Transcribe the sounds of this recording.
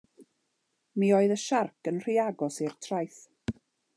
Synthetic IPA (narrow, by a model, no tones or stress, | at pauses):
miːoːɨðəʃarkʰənr̥iaɡɔsirtʰrajθ